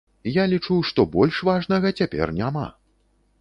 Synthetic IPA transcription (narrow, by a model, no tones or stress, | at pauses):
jalʲit͡ʂuwʂt̪ɔbɔlʲʂvaʐnɐɣɐt͡sʲapʲɛ̰rnʲama̰